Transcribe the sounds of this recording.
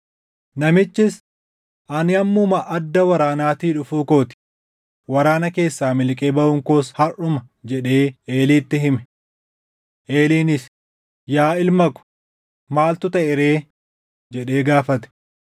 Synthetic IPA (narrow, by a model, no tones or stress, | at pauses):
nɐmɪt͡ʃːɪs | ʔɐnɪɐmːʊmɐʔːd̪ːɐwɐɾaːnaːt̪iːᶑʊfuːko̞ːt̪ɪ̥ | wɐɾaːnɐke̞ːsːaːmɪlkʼeːbɐʊŋkoːshɐrʊmɐ | d͡ʒɛᶑe̞ːeːliːt̪ːɪɦɪmɛ̥ | ʔe̞ːliːnɪs | jaːɪlmɐkʊ̥ | maːlt̪ʊt̪ɐʔɪɾe̞ː | d͡ʒɛᶑe̞ːɡaːfɐt̪ɛ̥